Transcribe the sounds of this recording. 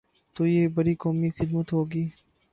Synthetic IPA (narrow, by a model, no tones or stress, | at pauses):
t̪oːjeːbɐɾikɔːmixɪd̪mət̪ɦoːɡiː